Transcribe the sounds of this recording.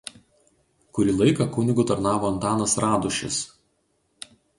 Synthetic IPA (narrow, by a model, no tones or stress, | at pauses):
kʊɾʲiːlˠɐɪkɐkʊnʲɪɡʊt̪ɐɾnɑːʋoːɐnt̪ɑːnɐsɾɑːd̪ʊʃʲɪ̰s